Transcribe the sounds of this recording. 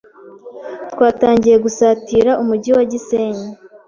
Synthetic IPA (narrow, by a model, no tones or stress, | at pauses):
twaːtaːɲɟije̞ɡusaːtiːɾaʔumuɟiwaɟiseːɲe